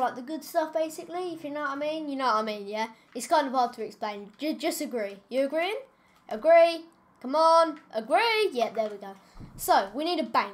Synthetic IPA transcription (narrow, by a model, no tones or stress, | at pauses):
laɪk̚ðəɡʊd̥stʌfb̥eɪsɪkliɪfjənətəmiɪ̃njə˞nəʊtəmĩnjɛ | ɪtskʰãɪ̃ndəvɑːd̚tʰəɛksplẽɪ̃nd͡ʒəd͡ʒʌstəɡɹijəːɡɹiɪ̃ŋ | ʔəɡɹi | kʰʌ̃mənʔəɡɹijɛʔ̚ðəwiɡoʊ | soʊwiniːɾəbæ̃ŋ